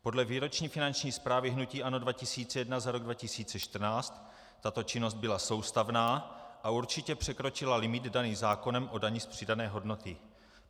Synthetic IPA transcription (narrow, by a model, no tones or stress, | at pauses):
po̞dlɛviːɾo̞t͡ʃɲiːfɪnant͡ʃɲiːspɾaːvɪɦnuciːʔanodvacɪsiːt͡sɛjɛdnazaɾo̞ɡdvacɪsiːt͡sɛʃt̪r̩naːt͡st̪ː | at̪o̞t͡ʃɪno̞zt̪̚bɪlaso̞wst̪avnaːʔauɾt͡ʃɪcɛpr̥ɛkɾo̞t͡ʃɪlalɪmɪd̪daniːzaːko̞nɛmʔo̞daɲɪspr̝̥ɪdanɛːɦo̞dno̞t̪ɪ